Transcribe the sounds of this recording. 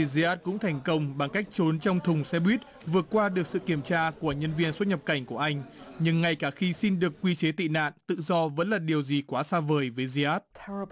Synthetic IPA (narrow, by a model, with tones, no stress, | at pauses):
zi˧ʔaː˦˥t̚kʊ̰˧˥ŋ͡mt̪ʰɛ˨˩jŋ̟kə˧wŋ͡mɓa˨˩ŋka˦˥k̟̚t͡ɕo˨˦nt͡ɕɔ˧wŋ͡mt̪ʰʊ˨˩ŋ͡msɛ˧ɓwi˦˥t̚ | vɨ˨˩ət̚kwaː˧ɗɨ˨˩ək̚sɨ̰˧˨ki˧˩əmt͡ɕaː˧ku˧˩əɲə˧nvi˧ənswə˦˥t̚ɲə˨˩p̚ka˧˩jŋ̟ku˧˩əʔa˧jŋ̟ɲɨ˧ŋːa˨˧˩jkaː˧˩xi˧si˧nɗɨ˨˩əkːwi˧t͡ɕe˨˦t̪ḭ˧˨na̰ː˧˨nt̪ɨ̰˧˨zɔ˧və̰˧˥nlaː˨˩ɗi˨˩əwzi˨˩kwaː˨˦saː˧vəː˨˩jvəː˨˦jzi˧ʔaː˦˥t̚tʰɛə